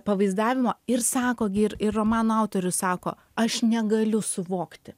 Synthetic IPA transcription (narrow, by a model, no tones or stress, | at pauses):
pɐʋɐɪzd̪ɑːʋʲɪmoːɪɾsɑːkoːɡʲɪɪɾɪrroːmɑːnoɐʊt̪oːɾʲʊssɑːko̰ː | ɐʃnʲɛɡɐlʲʊsʊʋoːkt̪ʲɪ